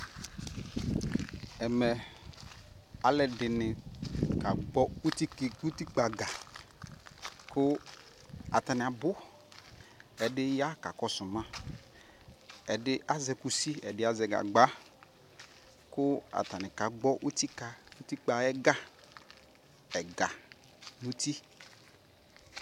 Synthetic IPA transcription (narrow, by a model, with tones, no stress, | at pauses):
ɛ˨mɛ˨ | a˨lɛ˨dɪ˨nɪ˨ka˨ɡ͡bɔ˦u˦ti˦˨u˦ti˦k͡pa˨ɡa˨ | kʊ˦ | a̰˨ta˨nɪ̃˨a˨bʊ˦ | ɛ˨dɪ˦ja˦ka̰˨kɔ˦sʊ˨mã˦ | ɛ˨dɪ˦ʔa˦zɛ˨ku˨si˦ɛ˨dɪ˦a˨zɛ˨ɡa̰˨ɡ͡ba˦ | kʊ˦a̰˨ta˨nɪ̃˨ka˨ɡ͡bɔ˦ʔu˦ti˦ka˨u˦t̪i˦k͡pa˨ɛ˦ɡa˦ | ɛ˨ɡa˨ | nũ˦t̪i˦